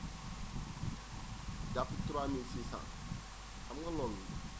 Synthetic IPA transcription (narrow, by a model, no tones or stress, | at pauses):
dafitɾamĩsisã̰ | ãmalɔ̃ni